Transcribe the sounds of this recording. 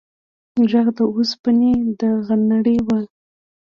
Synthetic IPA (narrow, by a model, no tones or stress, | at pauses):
ʒaɣd̪əospəned̪əɣanaɽewa